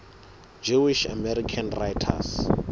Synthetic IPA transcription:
d͡ʒuwiʃa̰mɛɾikʰanrajtʰa̰s

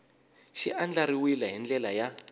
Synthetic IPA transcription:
ʃḭʔand͡ɮaɾiwilaɦind͡ɮɛlaja

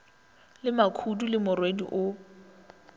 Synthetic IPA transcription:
lɪmakʰudulɪmʊrwedḭʔʊ

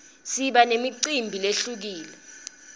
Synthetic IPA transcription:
siɓanemiǀimbʱileɬuk̬iːlɛ

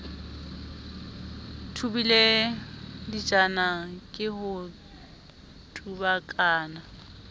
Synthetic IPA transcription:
tʰubile | dit͡ʃʼanakʼɪhʊ | tʼubakʼaːna

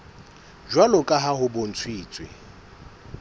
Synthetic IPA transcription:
d͡ʒwalʊkʼaɦaɦʊbon̩t͡sʰwiːt͡sʼwɪ̰

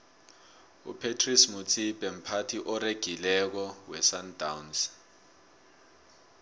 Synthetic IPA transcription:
ṵpʰetʰrismut͡sʰibʼɛm̩pʰatʰiʔɔreɡ̥ʱilɛk̬ɔwɛsandawns

